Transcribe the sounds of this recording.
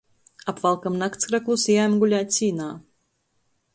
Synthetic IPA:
apvalˠkamnakt̪skɾaklˠusijaːmɡulʲaːt̪ʲsʲiːnaː

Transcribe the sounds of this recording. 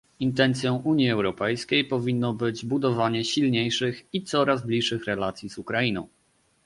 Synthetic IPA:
int̪ɛnt̪sʲjɔ̃w̃ʔuɲiɛwɾɔpɛjskʲejpɔvʲinːɔbɘd͡ʑbud̪ɔvaɲɛɕilɲejʂɘxit̪sɔɾazblʲiʂːɘxɾɛlat̪sʲjiz̥ukɾainɔ̰̃w̃

